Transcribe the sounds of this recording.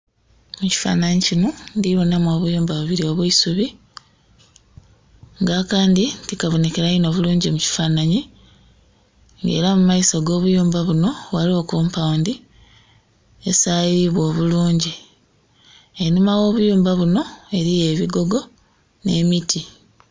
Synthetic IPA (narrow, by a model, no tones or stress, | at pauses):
muci̥fa̰ːnaɲicinondiβo̞namoːβujuːmbaβuβiɾio̞βwiisuβi | ŋɡakaːnditikaβo̞ne̞ke̞ɾaino̞βuluːɲɟimuci̥fanaɲi | ŋɡe̞ːɾamumajisaɡo̞ːβujuːmbaβuno̞walio̞kuːmpawndi | e̞sajiβwo̞ːβuluːɲɟi | enumawo̞ːβujuːmbaβuno̞e̞ɾije̞βiɡo̞ɡo̞ | ne̞mitʰi